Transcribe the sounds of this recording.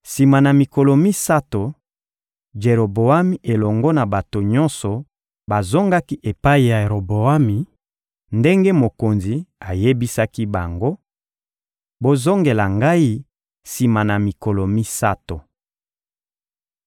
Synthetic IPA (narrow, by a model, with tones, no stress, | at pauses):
si˨ma˨na˨mi˨kɔ˨lɔ˨mi˦sa˦to˨ | d͡ʒe˨ɾo˨bo˨a˦mi˨ʔe˨lɔ˨ŋɡɔ˦na˨ba˨to˨ɲɔ̃˦nsɔ˨ | ba˨zo˦ŋɡa˦ki˦ʔe˨pa˦i˨ja˨e˨ɾo˨bo˨a˦mi˨ | nde˦ŋɡe˦mo˨ko˨nzi˨a˨je˦bi˦sa˦ki˦ba˨ŋɡo˦ | bo˦zo˦ŋɡe˨la˨ŋɡa˦i˦ | si˨ma˨na˨mi˨kɔ˨lɔ˨mi˦sa˦to˨